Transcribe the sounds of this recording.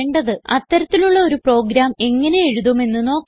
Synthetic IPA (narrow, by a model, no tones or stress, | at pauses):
ɳɖɐðɨɐt̪ːɐɾɐt̪ːiluɭːɐo̞ɾupro̞ːɡɾaːme̞ŋːɐne̞jeɻuðɐme̞nːɨno̞ːkː